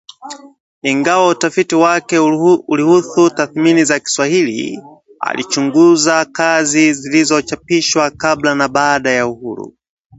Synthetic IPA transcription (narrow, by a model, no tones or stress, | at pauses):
iŋɡawautafitiwakɛulihuθutaθminizaki̥swahilḭ | a̰lḭt͡ʃuŋɡuzakazizilizɔt͡ʃapiʃwakablanaɓaːɗajauhuɾṵ